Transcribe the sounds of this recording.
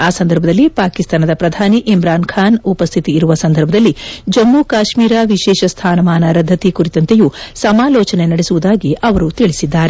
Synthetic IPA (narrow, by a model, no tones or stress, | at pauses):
aːsɐnd̪ɐɾbʱɐd̪ɐlːipaːkist̪aːnɐd̪ɐpɾɐd̪ʱaːniʔimɾaːnkʰaːnupɐst̪ʰit̪iːɾuʋɐsɐnd̪ʱɐɾbʱɐd̪ɐlːid͡ʒɐmːukaːʃmiːɾaːʋiʃɛːʃɐst̪ʰaːnɐmaːnɐɾɐd̪ʱːɐt̪ikuɾit̪ɐnt̪ejusɐmaːlɔːt͡ʃɐne̞nɐɽesuʋud̪aːɡiɐʋɐɾut̪iɭisid̪ːaːɾe